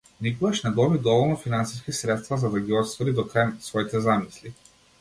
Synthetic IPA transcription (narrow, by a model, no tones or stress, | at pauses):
nikoɡaʃnɛd̪ɔbid̪ɔvɔlˠnɔfinansiskisɾɛt̪st̪vazad̪aɡʲiɔt̪st̪vɔɾid̪ɔkɾajsvɔit̪ɛzamisli